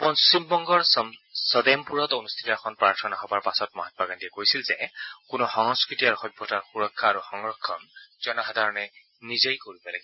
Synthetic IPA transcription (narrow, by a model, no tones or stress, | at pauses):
pɔnsimbɔŋɡɔɹssɔdɛmpuɹɔtonust̪ʰi̥tɔɛkʰɔnpɹaɹtʰɔnaɦɔbaɹpasɔtmɔɦat̚baɡantiɛkojsilzɛkʊnɔxɔŋskɹitiaɹuxɔbʱɔtaɹxuɹɔkʰːaːɹuxɔŋɹɔkʰːɔnzɔnɔxadʱaɹɔnɛ | nizejkoɹibɔlaɡi